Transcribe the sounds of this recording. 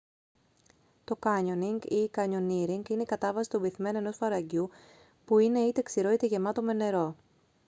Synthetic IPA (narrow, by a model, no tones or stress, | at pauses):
t̪o̞kɐɲo̞niŋɡikɐɲo̞niɾiŋɡineikɐt̪ɐvɐsi̥t̪ubiθme̞nue̞no̞sfɐɾɐɟu | puine̞it̪e̞ksiɾo̞it̪eʝe̞mɐt̪o̞me̞ne̞ɾo̞